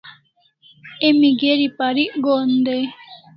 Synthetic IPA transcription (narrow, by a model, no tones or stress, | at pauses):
emiɡeɾipaɾiʔɡond̪ej